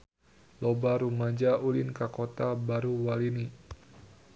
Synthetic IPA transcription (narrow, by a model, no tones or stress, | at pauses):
lobaɾumad͡ʒaʔulinkakot̪abaɾuwalini